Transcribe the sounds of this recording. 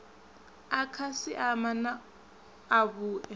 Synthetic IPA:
akʰasiʔamanaː | βuːʔɛ

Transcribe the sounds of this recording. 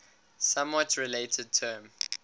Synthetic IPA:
sãmwɔtɹileɪtʰəd̚tʰɜːm

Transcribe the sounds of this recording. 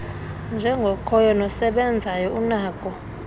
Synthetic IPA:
nd͡ʒʱɛŋɡʱɔkʰɔjɔnɔsɛɓɛnd͡zʱajɔunaːkʼɔ

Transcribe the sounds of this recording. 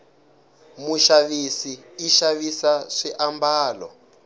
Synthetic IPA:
muʃaβisiːʃaβisaʂiʔambaːlɔ̰

